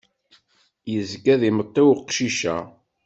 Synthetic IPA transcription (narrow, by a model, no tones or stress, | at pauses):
jəzɡæðimət̪ˤːɪwqʃiʃæ̰